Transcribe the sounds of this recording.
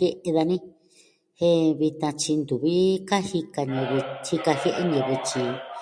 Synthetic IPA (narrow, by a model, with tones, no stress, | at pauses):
e˦ʔe˧ða˧nĩ˦ | he˦βi˧t̪ã˧t͡ʃi˧nd̪u˨βi˦ka˦hi˧ka˧ɲẽ˧βi˧hi˧ka˧he˦ʔe˦ɲẽ˧βi˧t͡ʃi˧